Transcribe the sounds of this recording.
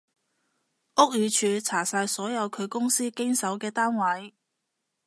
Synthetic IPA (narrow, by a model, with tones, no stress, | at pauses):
ʔʊ˥k̚jyː˨˧t͡ʃʰyː˨˧t͡sʰaː˨˩saː˧jsɔː˨˥jɐ˨˧wkʰɵ˨˧ɥkʊ˥ŋsiː˥kɪ˥ŋsɐ˨˥wkɛː˧t̪aː˥nwɐ˨˥j